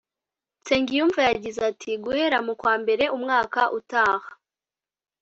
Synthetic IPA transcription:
t͡se̞ŋɡijuɱvajaɟizatʰiɡuhe̞ɾamukwaːmbe̞ɾe̞ʔumŋaːkaʔutaːhḁ

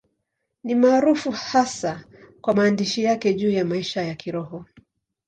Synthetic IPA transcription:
nimaːɾufuhasakwamaːndiʃijakɛʄuːjamaiʃajakiɾɔhɔ

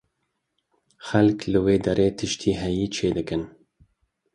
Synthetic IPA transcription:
xɛlklɨweːd̪ɛɾeːt̪ʰɨʃt̪ʰiːɦɛjiːt͡ʃʰeːd̪ɨkɨn

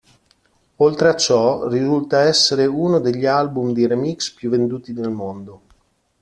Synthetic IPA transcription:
olt̪ɾeat͡ʃːɔrizult̪aɛsːeɾeunod̪eʎːialbumd̪iɾemikspjuvːend̪uːt̪id̪elmond̪o

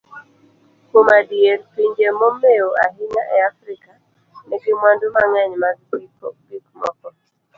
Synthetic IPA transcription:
komadieɾpiɲd͡ʒemɔmeoa̰ɦiɲaʔɛafɾika | neɡɪmwandʊmaŋɛɲmaɡbipɔ̰bikmɔ̰kɔ

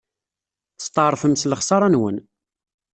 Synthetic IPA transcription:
θst̪ˤəˤfəmsləχsɑɾˤɑnwə̰n

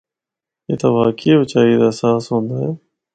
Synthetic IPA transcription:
ḛːt̪aːbaːkibət͡ʃaːid̪asaːsɦõːnd̪aːɦɛː

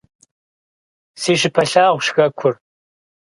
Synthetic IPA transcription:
seːʃɪpʰɐɬaːʁʷʃxɐkʷʰʊr

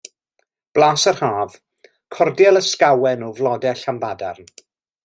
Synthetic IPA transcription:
b̥laːsərhaːv̥ | kʰɔrdjɛlˠəskawɛnuvlˠɔdɛɬamvadarn

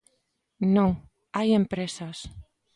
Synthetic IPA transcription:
nõŋ | ajempɾesas

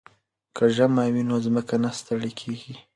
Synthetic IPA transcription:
kəʒamɑwinozməkanast̪aɽikʰeɡi

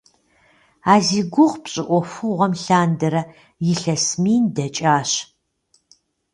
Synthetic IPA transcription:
aːziːɡʷʊʁpɕʼɪʔʷɔfʊʁʷɐmɬaːndɐɾɐ | jɪɬɐsmiːndɐt͡ʃʼaːɕ

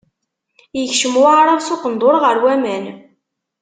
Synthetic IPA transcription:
jəçʃəmwɾˤəðsoqənd̪oɾˤʁəɾwæmæn

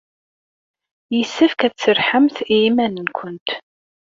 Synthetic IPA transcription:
jəsːæfkæt͡sːəɾħəmθiimænənkʷʰʊnt̪

